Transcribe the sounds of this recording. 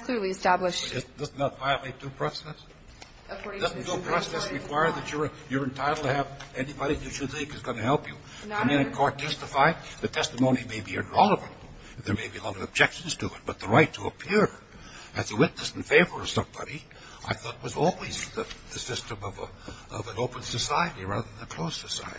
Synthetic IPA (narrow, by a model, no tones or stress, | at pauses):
kʰl̥ɪlˠiɨstæbləʃɪd̥ʌzn̩ðətvaɪɨlˠeɪt̚d̥upʰɹ̥ɔsɛs | d̥ʌznn̩ɡ̥opʰɹ̥ɔsɛsɹɨkʰw̥aɪə˞ðɨt͡ʃə˞jə˞ɨ̃ntʰaɪɾl̩ˠtʰɨɨvɛnibɑɾiðɨʃɨd̪̚θɪ̃ŋkɨzɡʌnɨhɛlˠpjɨ | ɨmæ̃nɨ̃kʰɔɹtʰɛstɨfaɪðɨtʰɛstəmõʊ̃nimeɪbiɨ̰̃nɹɛlˠəvɨ̃nt | ðə˞meɪbiəlɑɾʌvɨb̚d͡ʒɛkʃnz̥tʰɨɪt̚b̥ʌt̪̚ðəɹaɪtʰəə̰pʰɪɹ | ɨzðəwɪtⁿnɨsn̩feɪvə˞ʌv̥sʌ̃mbɑ̰ɾi | ʔa̰ɪθɔɾət̚wʌzɔ̰lˠwizðɨðɨsɪstɨ̃mʌv̰ | ʌ̰və̃noʊpə̃nsɨsaɪɨɾiɹæ̰ðə˞ðə̃nðɨkʰl̥oʊssɨsa̰ɪɨɾi